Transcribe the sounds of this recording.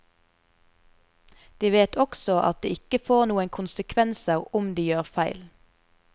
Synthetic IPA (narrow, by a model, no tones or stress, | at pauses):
d̪̥iːʋeːt̪ʰɔksɔʔɑ̰t̪̚d̪ḭːɪkəfoːʁnuːənkʰʊnsəkʰʋɛnsəʁʊmd̪iːjøːʁfæɪl